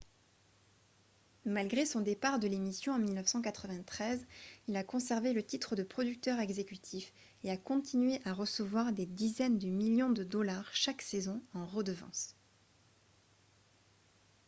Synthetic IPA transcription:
malɡʁesɔ̃d̪epaʁd̪əlemisjɔ̃ɑ̃milnəfsɑ̃kat̪χəvɛ̃t̪χɛzilakɔ̃sɛʁvelət̪it̪χəd̪əpχɔd̪yk̚t̪œʁɛɡzekʲyt̪ʰif | eakɔ̃t̪ʰinɥeʔaʁəsəvwaʁd̪ed̪izɛnd̪əmiljɔ̃d̪əd̪ɔlaʁʃaksɛzɔ̃ɑ̃ʁəd̪əvɑ̰̃s

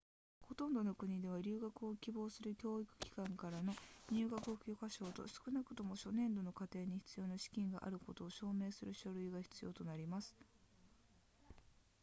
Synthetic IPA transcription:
ho̞t̪õ̞nd̪o̞no̞kɯ̟ɲ̟id̪e̞β̞aɾʲɨːɡakɯ̟o̞kʲibo̞ːsɨɾɯ̟kʲo̞ːikɯ̟̥kʲi̥kãŋkaɾano̞ɲ̟ɨːɡakɯ̟okʲokaɕo̞ːt̪o̞̰sɨ̥kɯ̟nakɯ̟̥t̪o̞mo̞ɕo̞nẽ̞nd̪o̞no̞kat̪e̞ːɲ̟içi̥t͡sɨjo̞ːnaɕi̥kʲĩŋɡa̰ʔa̰ɾɯ̟ko̞t̪o̞ːɕo̞ːme̞ːsɨɾɯ̟ɕo̞ɾɯ̟iɡaçi̥t͡sɨjo̞ːt̪o̞naɾʲimasɨ̥

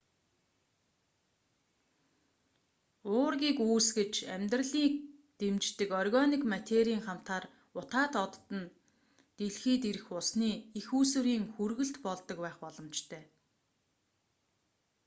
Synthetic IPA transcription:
ʊːrɣʲiːkuːsɡet͡ɕæmʲt̪rə̆ɮiːt̪emt͡ɕt̪ɘ̆kɔrɣɔnikmat̪ʲʰeɾiːŋχam̥t̪aːr | ʊt̪aːt̪ɔt̪ːə̆n | t̪eɮxiːt̪̬iɾɘ̆xʊsniːixuːsɘ̆ɾiːŋxurɣɘ̆ɬt̪pɔɮt̪ːɞ̆kpæːχpɔɮɞ̆mt͡ɕt̪ʰœː

